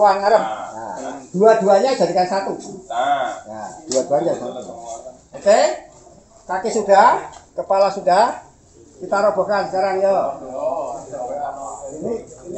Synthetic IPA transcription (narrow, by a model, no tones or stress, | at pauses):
wanaɾəpja̰d̪̥uad̪uaɲad͡ʒ̥aɾikansat̪u | ja̰d̪̥uad̪̥uaɲasat̪ | ake | kakesuɖ̥akəpalasuda | kit̪aɾɔb̥o̤kansəkaɾaŋjɔ | ini